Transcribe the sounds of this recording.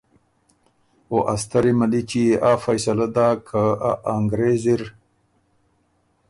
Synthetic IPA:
oʔast̪ɐɾimalit͡ʃiafajsalad̪aːkʰaaŋɡɾeziɾ

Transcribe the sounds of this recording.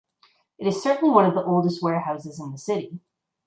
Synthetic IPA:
ɨɾɨz̥sɜ˞ʔn̩liwʌ̃nʌvðiʔoʊlˠdəst̚wɛɹhaʊsɨzɨ̃nðəsɪɾi

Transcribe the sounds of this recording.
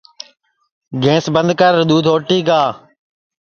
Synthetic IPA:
ɡʱẽːsbənd̪ʱkəɾɾɗ̪uːd̪ʱoːʈiːɡaː

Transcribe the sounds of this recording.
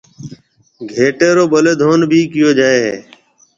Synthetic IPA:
ɡʱeːʈeːɾoːɓəleːd̪ʱoːnbʱiːkɪjoːd͡ʒaːeːɦḛː

